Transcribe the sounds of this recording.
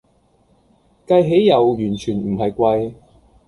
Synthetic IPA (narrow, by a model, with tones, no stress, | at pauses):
kɐ˧jɦe˨˥jːɐ˨˩wjyː˨˩nt͡ʃʰyː˨˩nm̩˨˩ɦɐ˨jkʷɐ˧j